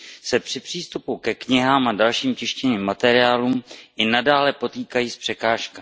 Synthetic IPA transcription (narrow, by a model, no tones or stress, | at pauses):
sɛpr̥ɪpr̝̥iːst̪upukɛkɲɪɦaːmʔadalʃiːmcɪʃcɛniːmːat̪ɛɾɪaːlumʔɪnadaːlɛpo̞t̪iːkajiːspr̝̥ɛkaːʃka